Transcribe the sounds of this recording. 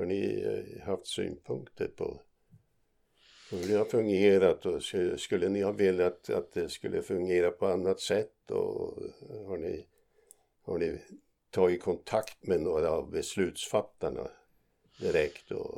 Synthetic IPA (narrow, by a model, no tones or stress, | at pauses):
haɳɪ̰haft̪sy̰ːnpʰɵŋkt̪ʰəɾpʰɔ̰ | sɪlːhɑfɵŋɡeːɾat̪ɔskskɵlːənɪhɑveːlːjat̪a̰t̪̚d̪ɛskɵlːʔəfɵŋɡeːɾapʰɔanːat̪sɛt̪ːɔ̰ | haɳɪ̰ | haɳɪ | t̪ʰɑːɡɪkʰɔnt̪ʰakt̪mɛnoːɾavbɛslʉ̟ːt̪sfat̪ːaɳa̰ | d̪ɪɾɛkt̪ɔ̰